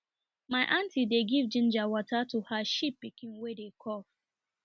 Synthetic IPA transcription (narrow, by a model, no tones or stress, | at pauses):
maɪʔãntideɡivd͡ʒĩnd͡ʒawɔtatuhaʃipːikĩŋwedekʰɔf